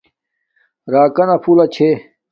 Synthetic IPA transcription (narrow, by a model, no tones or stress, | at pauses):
ɾaːkɐnɐpʰuːlɐt͡ɕʰe